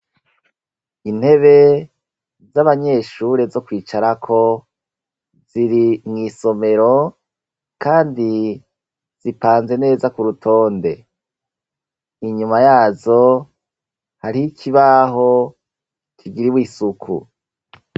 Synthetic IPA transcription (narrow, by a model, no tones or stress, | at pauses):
in̥he̞βe̞ | zaβaɲe̞ːʃuːɾe̞zo̞kwiːt͡ʃaɾakʰo̞ | z̥iɾimŋiːso̞me̞ɾo̞ | kaːndi | z̥ipaːnze̞ne̞ːzakuɾutʰo̞ːnde̞ | iɲumajaːzo̞ | haɾiikʰiβaɦo̞ | kiɡiɾiwiːsukʰṵ